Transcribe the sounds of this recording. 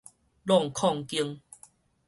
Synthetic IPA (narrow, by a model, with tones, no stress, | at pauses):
lɔ˥˨ŋkʰɔ˥˧˨ŋki˧əŋ